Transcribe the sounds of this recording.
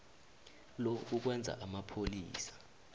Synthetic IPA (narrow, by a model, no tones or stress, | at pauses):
lɔuk̬wɛnd͡zʱa̰ʔamapʰoliːsḁ